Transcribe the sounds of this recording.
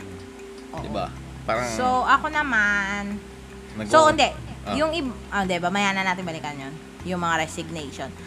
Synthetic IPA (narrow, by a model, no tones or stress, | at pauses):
ʔoʔd̪ɪba̰ | paɾɐsoʔɐkonɐman | soɪnd̪ɛjʊŋʔɪ | ʊnd̪ɛbamɐjaːnɐnaːt̪ɪŋbɐlɪkɐnjon | jʊŋmɐŋaɾɛsɪɡ̚nejʃon